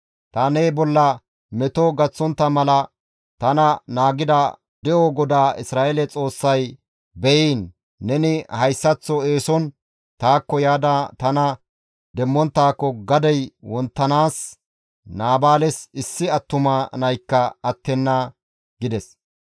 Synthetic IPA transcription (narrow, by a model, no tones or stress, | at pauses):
t̪aːneːbɔlːɐ | mɛt̪ɔɡɐt͡sːɔnt̪ːɐmɐlɐ | t̪ɐnɐnaːɡɪd̪ɐ | d̪ɛʔɔɡɔd̪aːɪsɾaːʔelɛt͡sʼo̞ːsːɐj | bɛʔiːnː | ɛnɪhɐjsːɐt͡sːɔeːsɔn | t̪aːkːɔjaːd̪ɐt̪ɐnɐ | d̪ɛmːɔnt̪ːaːkːɔɡɐd̪ɛjwɔnt̪ːɐnaːs | naːbaːlɛsɪsːɪɐt̪ːʊmɐnɐjkːɐɐt̪ːɛnːɐ | ɡɪd̪ɛs